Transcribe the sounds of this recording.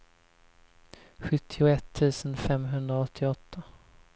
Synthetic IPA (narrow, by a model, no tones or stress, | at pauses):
ɧɵt̪ʰːɪʊɛt̪ʰːʉ̟ːsənfɛmɦɵnd̪ɾaɔt̪ʰːɪɔt̪ʰːa